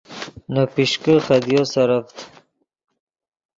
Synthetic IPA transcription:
nopiʃkəχad̪josaɾaft̪

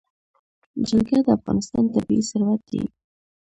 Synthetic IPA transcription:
d͡ʒalɡjɑd̪əafɣɑ̰nɪst̪ɑnt̪abiisʊɾwat̪̚d̪ḭ

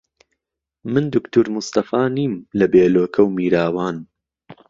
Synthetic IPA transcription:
mɨnd̪ʊkt̪uɾmʊst̪ɐfaːniːmlɐbeːloːkʰɐwmiːɾaːwaːn

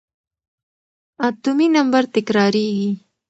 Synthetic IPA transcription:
at̪uminambaɾt̪ɪkɾɑɾeɡi

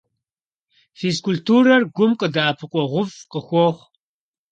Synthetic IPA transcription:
fiskʰʊltʰuːɾɐrɡʷʊmqʼədaːpʰɨqʷʼɔʁʷʊvqʼəxʷɔχʷ

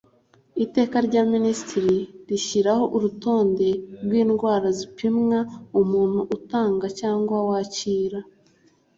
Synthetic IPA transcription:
ite̞ːkaɾɟaːministiɾiɾiçiɾaho̞ʔuɾuto̞ːnde̞ɾɡwiːnɡwaːɾazipimŋaumuːn̥huʔːtaːŋɡacaːŋɡwawaːciːɾa

